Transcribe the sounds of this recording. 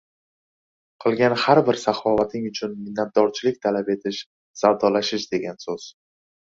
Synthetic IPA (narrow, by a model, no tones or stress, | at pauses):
qʰɨlˠɡʲanhaɾbɪɾsaχɒvat̪ʰɪŋʊt͡ʃʰʊnmɪnːat̪̚d̪ɒɾt͡ʃʰɪlɪk̚ʲt̪ʰalape̞t̪ʰɪʃ | sawd̪ɒlaʃɪʃd̪e̞ɡʲansoz̥